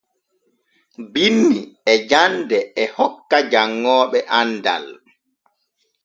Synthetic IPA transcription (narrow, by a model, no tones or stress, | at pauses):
binːiɛd͡ʒandɛɛhɔkːad͡ʒaŋːɔːɓɛʔanda̰l